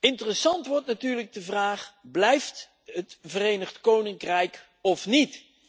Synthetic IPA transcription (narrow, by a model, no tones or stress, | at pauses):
ɪntərəsɑntʋɔɹtnatyːɹləɡ̚dəvraːχblɛjft | ɦətv̥ərejnəχtkownɪŋkrɛjk | ɔfnit